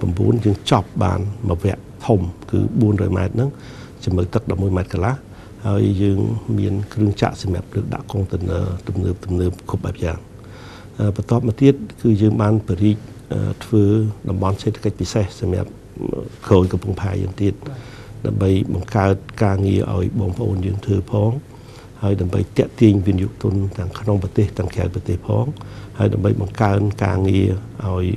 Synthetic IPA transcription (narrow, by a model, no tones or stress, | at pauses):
prɑmɓṵənjəːŋt͡ɕɑp̚ɓa̰ːnməʋɛ̆əʔt̪ʰumkɨ̰ːɓuənrɔ̰ːjma̰ɛt̪̚nɨŋ | t͡ɕiməwt̪ɨk̚ɗɑp̚muəjmaɛt̪̚kalah | haəjːəːŋmiənkrɨəŋt͡ɕa̰ʔsɑmja̰p̚ləːk̚ɗa̰ʔkoŋt̪ɨnə̰ːt̪umnəːp̚t̪umnəːp̚kʰup̚ɓaɛp̚ja̰ːŋ | ʔəːpɑt̪ŏəp̚mɔt̪iət̪̚kɨːjəːŋɓaːnpiɾiːk̚ | ʔəːt̪ʰʋəːɗɑmɓɑnseːt̪ʰḁkəc̚pisehsɑmja̰p̚ | kʰoːjkɑmpuŋpʰaɛjə̰ːŋt̪iət̪̚ | ɗaəmɓəjɓɑŋkaət̪̚kaːŋiəʔa̰ɔjɓɑːŋpə̆ʔoːnjəːŋt̪ʰɨːpʰɑːŋ | haəjɗaəmɓə̰jt̪ɛ̆əʔt̪iəɲʋiənijṵːʔt̪ʊ̆ənt̪ɛ̆əŋkʰnoŋpɑt̪eːht̪ɛ̆əŋkʰa̰ət̪̚prɑt̪eːhpʰɑ̰ːŋhaəjɗa̰əmɓə̰jɓɑŋkaənka̰ːŋiəʔaɔj